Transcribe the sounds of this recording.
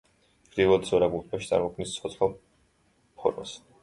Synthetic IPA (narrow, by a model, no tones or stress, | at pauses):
ɡɾivɔd̪sɔɾaɡult̪ʼaʃi̥t̪sʼa̰ɾmɔkʰnist̪sʰɔt̪sʰχlɔ | pʰɔ̰ɾma̰s